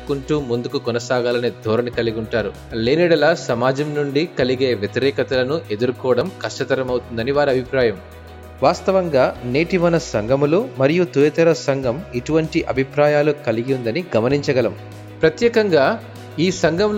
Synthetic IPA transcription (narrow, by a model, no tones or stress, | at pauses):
kuɳʈuːmund̪ukukɔnɐsaːɡaːlɐned̪ʱɔːɾɐnikɐliɡuɳʈaːɾu | leːniːɽɐlaːsɐmaːd͡ʒɐmnuɳɖikɐliɡe̞ːʋjɐt̪iɾɛːkɐt̪ɐlɐnuʔe̞d̪uɾukɔːʋɐɽɐmkɐʂʈɐt̪ɐɾɐmɐwt̪und̪ɐniʋaːɾiɐbʱipɾaːjɐm | ʋaːst̪ɐʋɐŋɡaːneːʈiʋɐnɐsɐŋɡʱɐmulumɐɾijut̪ujɐt̪ɐɾɐsɐŋɡʱɐmiʈuʋɐɳʈiʔɐbʱipɾaːjaːlukɐliɡund̪ɐniɡɐmɐniɲt͡ʃɐɡɐlɐm | pɾɐt̪jɛːkɐŋɡaː | iːsɐŋɡʱɐml